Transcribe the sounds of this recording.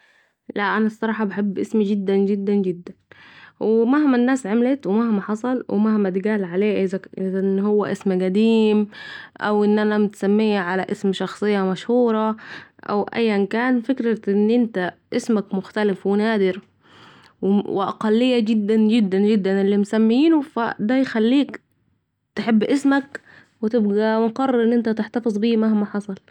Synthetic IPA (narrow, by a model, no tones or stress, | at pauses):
laʔʔanasˤːɑɾˤɑːħɑbaħɪbːʔɪsmid͡ʒɪd̪ːand͡ʒɪd̪ːand͡ʒɪd̪ːanwɪmahmanːaːsʕamlɪt̪wɪmahmaħɑsˤɑlwɪ̰mahmad̪ɪɡaːlʕaleːʔɪzæʔɪznːhʊwːæʔɪsmɡæd̪iːmʔa̰wʔɪnːʔanamɪt̪samːiːʕalaʔɪsmʃɑxsˤɨjːɑmaʃhuːɾˤɑʔæ̰wʔæ̰jːænkæːnfɪkɾæt̪ʔɪnːʔɪnt̪æʔɪsmækmʊxt̪ælɪfwenæːd̪ɪɾ | wwɪʔɑ̰qɑlːɪjːæɡɪd̪ːænɡɪd̪ːænd͡ʒɪd̪ːænelːiːmsæmːiːnofæ̰d̪æjxælːiːk | t̪ħebːʔɪsmæk | wɪt̪ɪbɡæwɪnqɑrˤːeɾˤʔɪnːʔɪnt̪æt̪ɪħt̪ɑfɨzˤbiːmahmaħɑsˤɑl